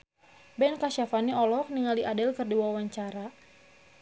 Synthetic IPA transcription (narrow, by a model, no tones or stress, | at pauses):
bɛnkaʃafaniɔlɔk̚niŋaliʔadɛlkɨrdiwawaɲt͡ʃaɾa